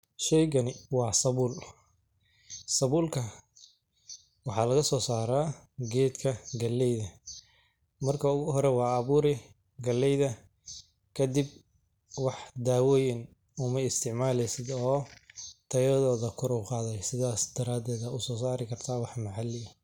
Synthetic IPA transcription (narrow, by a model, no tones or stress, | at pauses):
ʃɛjɣɐnɪwɑːsɐβuːl | sɐβuːlkʰɐ | wɑħɑːlɐɣɐsɔːsaːɾaːɡɛːd̪kʰɐɡɐlːɛjðɐ | mɐrkʰɐʊɣʊɦɔɾɛwɑːɐβuːɾɪ | ɡɐlːɛjðɐ | kʰɐd̪ɪb̚ | wɑħd̪aːwɔːjɪn | ʊmɐɪst̪ʰɪʕmaːlɛjsɪd̪ɔːt̪ʰɐjɔðɔːðɐkʰʊɾɔwqɑːðɐjsɪðaːsd̪̥ɐɾaːd̪ɛːd̪ɐʊsɔːsaːɾɪkʰɐrt̪ʰaːwɑħmɐʕɑlːɪjɐ